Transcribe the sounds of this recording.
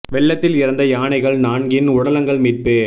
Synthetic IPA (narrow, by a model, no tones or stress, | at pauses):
ʋɛɭːɐt̪ːɪlɪɾɐnd̪ɐjaːɳɐɪɣɐɭnaːɳɡɪnʊɽɐlɐŋɡɐɭmiːʈ̚peː